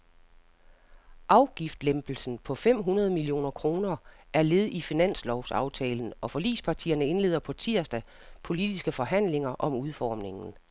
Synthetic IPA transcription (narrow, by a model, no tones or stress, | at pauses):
ʔɑ̈ʊɡ̥ifd̥lemb̥l̩sn̩pʰɒ̽fem̰ɦunɐð̞ˠmilio̝̰ːnɐkʰʁo̝ːnɐʔæɐle̝ðˠifinæn̰slɒʊsɑ̈ʊt͡sʰɛːln̩ʔɒ̽fɒ̽lḭːspʰɑ̈t͡sʰḭːɐnəe̝nle̝ːðˠɐpʰɒ̽t͡sʰiɐ̰sd̥æ | pʰo̝lid̥isɡ̥əfɒ̽ɦæn̰le̝ŋɐʔɒ̽muð̞ˠfɒːmne̝ŋn̩